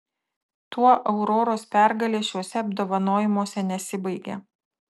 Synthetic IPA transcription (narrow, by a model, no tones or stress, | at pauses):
t̪uɔʔɐʊɾoːɾoːspʲæˑɾɡɐlʲeːʃʲuɔsʲɛɐbd̪oːʋɐnoːjɪmuɔsʲɛnʲɛsʲɪbɐɪɡʲḛː